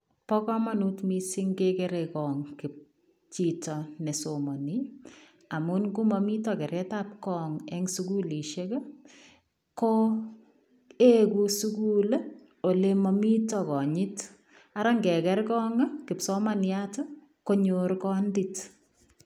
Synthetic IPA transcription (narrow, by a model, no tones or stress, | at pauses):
pɔkɔmanutmisiŋkekɛɾɛkɔŋkɪp̚ | t͡ʃitɔnɛsomani | amunkumɔmitɔkɛɾɛtap̚kɔŋɛŋsukuliʃekɐ | ko | ekusukul | olemɔmitɔkɔɲɪt | aɾaŋɡɛkɛɾkɔŋakɪpsomanjatə | koɲorkɔndit